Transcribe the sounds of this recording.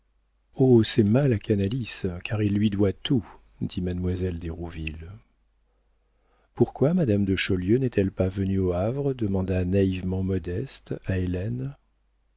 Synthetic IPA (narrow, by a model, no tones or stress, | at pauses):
osɛmalakanaliskaʁilːɥid̪wat̪ʰu | d̪imad̪mwazɛld̪eʁuvil | puʁkwamad̪amd̪əʃɔljønɛt̪ʰɛlpavənyoavʁəd̪əmɑ̃d̪anaivmɑ̃mɔd̪ɛst̪aelɛn